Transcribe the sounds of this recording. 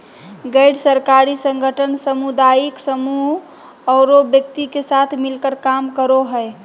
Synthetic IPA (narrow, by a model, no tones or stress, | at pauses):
ɡəɪɖsəɾkaɾisə̃ŋɡʱəʈʰənsəmud̪ajiksəmuɦ | ɔʊɾobjək̚t̪ikesat̪ʰmilkəɾkamkəɾoɦəe